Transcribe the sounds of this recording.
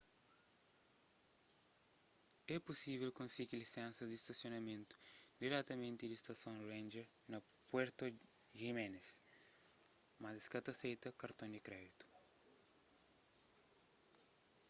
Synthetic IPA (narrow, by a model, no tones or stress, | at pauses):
ɛpusiβɛlkõnsiɡilisɛ̃nsɐd̪ist̪ɐsjonɐmẽnt̪u̥d̪iɾɛt̪ɐmẽnt̪ɪd̪ist̪ɐsõŋɾẽnd͡ʒɛɾ | nɐ | pwɛɾt̪ɐ | ʒimɛnes | mɐzeskɐt̪ɐsejt̪ɐkɐɾt̪õnd̪ikɾɛd̪it̪u̥